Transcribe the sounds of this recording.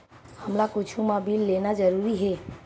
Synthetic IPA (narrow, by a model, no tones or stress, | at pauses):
həmlakʊt͡ʃʰumabʱiːlːeːnad͡ʒəɾuːɾiɦɛː